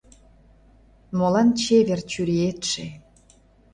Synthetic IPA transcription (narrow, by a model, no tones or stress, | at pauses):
molɑnt͡ɕeβert͡ɕyɾiet̪ʃe